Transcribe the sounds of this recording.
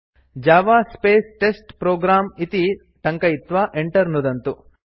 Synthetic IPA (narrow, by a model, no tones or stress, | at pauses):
d͡ʒaːʋaːspeːsʈesʈpɾoːɡɾaːmit̪i | ʈɐŋkɐjit̪ʋaːʔeɳʈɐɾnud̪ɐnt̪u